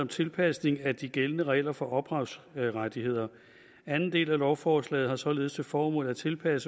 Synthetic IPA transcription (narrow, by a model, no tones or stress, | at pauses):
ɒ̽mt͡sʰe̝lpʰæsne̝ŋæd̥iɡ̥elənəʁɛ̰ɪlɐfɒ̽ʔɒ̽b̥ʁɑ̈ʊsʁad̥ihe̝ð̞̰ˠɐ | ænn̩d̥e̝̰ːlælɒʊfɒːslɛ̰ːð̩ˠhɑ̈sɒ̽le̝ðˠəst͡sʰe̝fɒːmɔ̰̽ːlæt͡sʰe̝lpʰæsə